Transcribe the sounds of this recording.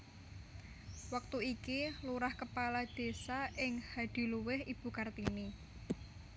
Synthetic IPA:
wək̚t̪uikiluɾahkəpalad̪̥e̤saʔɪŋhad̪̥i̤luwɪhib̥ṳkart̪ini

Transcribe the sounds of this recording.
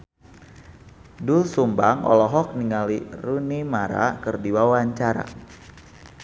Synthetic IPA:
dulsumbaŋɔ̰lɔɦɔk̚niŋalirunimaɾa̰kɨrdiwawaɲt͡ʃaɾa̰

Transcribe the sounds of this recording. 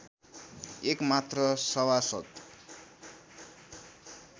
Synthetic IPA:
ekmat̪rʌsʌwasʌt̪

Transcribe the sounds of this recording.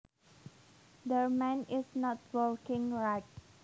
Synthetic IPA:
d̪əmɛ̃nɪsnɔt̚wəɹkɪ̃ŋɹaɪt̚

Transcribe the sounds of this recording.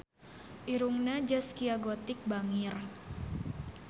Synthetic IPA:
ʔiɾuŋnad͡ʒaskiaɡot̪ɪk̚baŋir

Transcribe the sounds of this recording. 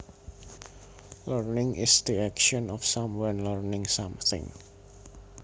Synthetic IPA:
lərnɪŋɪ̰sd̪iɛkʃɔnɔfsamwanlərnɪ̃ŋsamθɪ̰̃ŋ

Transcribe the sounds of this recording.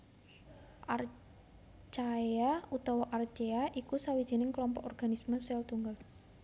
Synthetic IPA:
ʔa̰r | t͡ʃaeaut̪ɔwɔʔart͡ʃeaʔikusawid̥ʒ̥i̤nɪŋklɔmpɔkɔrɡ̥anisməsɛlt̪uŋɡal

